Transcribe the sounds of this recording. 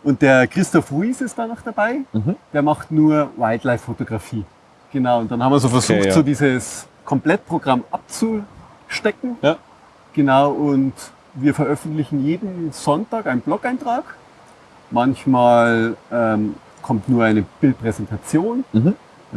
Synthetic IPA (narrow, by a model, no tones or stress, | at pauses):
ʔʊnt̚d̥eːɐkʁ̥ɪstɔfʁuiːsɪst̚d̥aːnɔχd̥abaɪd̥eːɐmaχtnuːɐwaɪtlaɪfːotoɡʁafiː | ɡ̥ənaʊʊnt̚d̥anhabm̩viːɐzoːfɛɐzuːxzoːdiːzəs | kʰɔmpl̥ɛt̚pʁ̥oɡʁamʔap̚t͡su | ʃtɛkŋ̩ | ɡ̥ənaʊʔʊnt | viːɐfɛɐʔœfn̩tlɪçn̩jeːdn̩z̥ɔntaːkʔaɪnənblɔkaɪntʁ̥aːk | mançmaːlʔɛːm | kʰɔmtnuːɐʔaɪnəb̥ɪlt̚pʁ̥ɛzɛntʰat͡sjoːn